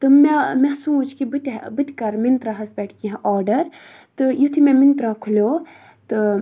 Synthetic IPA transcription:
t̪ɨmemɛsũːt͡ʃʰkibɨt̪ʲbɨt̪ʲkɐɾmint̪ɾaɦɐsbɛːʈʰkiɦãʔɔːɾɖɐɾ | t̪ɨjut̪ʰimɛmint̪ɾaːkʰulʲoː | t̪ɨ

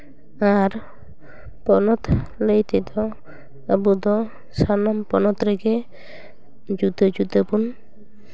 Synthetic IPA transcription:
aɾ | pɔnɔt̪ləjt̪ɛd̪ɔ | abud̪ɔ | sanampɔnɔt̪ɾɛɡɛ | d͡ʒud̪əd͡ʒud̪əpun

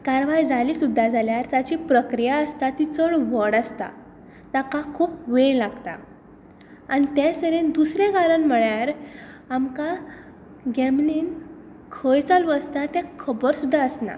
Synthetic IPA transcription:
kaɾʋajd͡zaliːsud̪ʱːad͡zaljaɾt̪jat͡ɕiːpɾəkɾijaəst̪at̪it͡səɭʋəɽast̪a̰ | t̪akakʰuːpʋeɭlaɡt̪a̰ | anit̪ɛ̃səɾend̪usɾɛ̃kaɾənm̤əɭjaɾ | amka | ɡɛmlin | kʰəjt͡saluast̪at̪ɛ̃kʰəbəɾsud̪ʱːaəsna̰

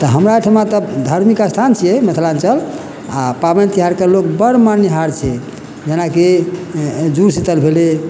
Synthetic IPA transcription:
t̪ɔɦəmɾaeʈʰəmat̪əd̪ʱaɾmikast̪ʰant͡ʃʰijɛmət̪ʰlant͡ʃəl | apabənt̪iɦaɾkelokbəɾmaniɦaɾt͡ʃʰɛ | d͡ʒenake | d͡ʒuɾsit̪əlbʱele

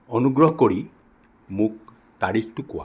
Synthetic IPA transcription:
ɔnuɡɾɔɦɔkoɽi | mũk̚ | t̪aɾikʰtukuwa̰

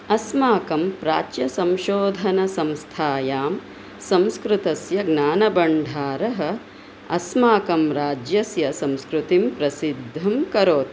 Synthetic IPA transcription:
ɐsmaːkɐmpɾaːt͡ʃjɐsɐmʃoːd̪ʱɐnɐsɐmst̪ʰaːjaːm | sɐ̃mskɾut̪ɐsjɐɡnaːnɐbɐɳɖʱaːɾɐɦɐ̆ | ɐsmaːkɐmɾaːd͡ʒjɐsjɐsɐ̃mskɾut̪impɾɐsid̪ʱːɐmkɐɾoːt̪

